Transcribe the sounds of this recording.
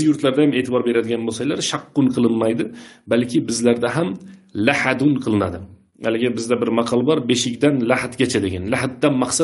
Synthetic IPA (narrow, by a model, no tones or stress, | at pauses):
jʊɾt̪laɾd̪ajame̞ːt̪ʰɪbɒɾbe̞ɾad̪ɪɡʲanbosajlaɾʃɑqːʊnqʰɨlˠɪnmajd̪ɪbalkʲɪbɪzlaɾd̪aɦamlahad̪ʊnqʰɨlˠɪnad̪ɪ | a̰lɪɡʲɪbɪzd̪abɪɾmɑqʰɒlˠbɒɾbe̞ʃɪkʲd̪anlahat̪ɡʲat͡ʃʰad̪eɡʲanlahat̪̚d̪anmɑqsa